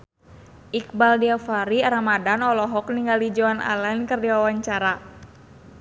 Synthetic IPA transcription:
ʔik̚baldiafaɾiaɾamadanɔlɔɦɔk̚niŋɡalid͡ʒoana̰lankərdiwawaɲt͡ʃaɾa

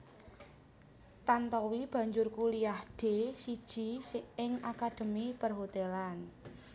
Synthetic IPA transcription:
t̪ant̪ɔwib̥ä̤ɲd͡ʒʊrkuliahd̥e̤sid̥ʒ̥i̤seɪŋakad̪̥ə̤mipərɦot̪ɛlan

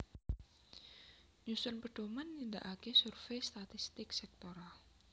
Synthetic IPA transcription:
ɲusʊnpəd̥omanːind̪a̰ʔakɛsurfejst̪at̪ist̪ɪksɛk̚t̪oɾal

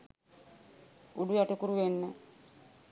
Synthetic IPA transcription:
uɖujaʈekuɾuʋenːə

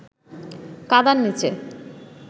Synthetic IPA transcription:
kad̪anːit͡ɕe

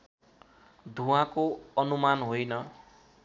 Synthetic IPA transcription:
d̪ʱuwãkoʌnumanɦojnʌ

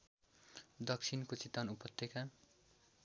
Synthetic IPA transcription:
d̪ʌk̚t͡sʰinkot͡sit̪anupʌt̪ːeka

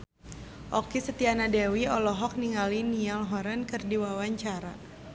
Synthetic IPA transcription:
ʔɔkisət̪ianadɛwiɔlɔɦɔk̚niŋalinialɦɔɾankɨrdiwawaɲt͡ʃaɾa̰

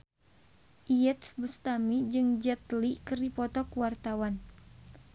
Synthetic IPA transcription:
ʔiɛt̪bust̪amid͡ʒɨŋd͡ʒɛt̪likərdipɔt̪ɔkuwart̪awan

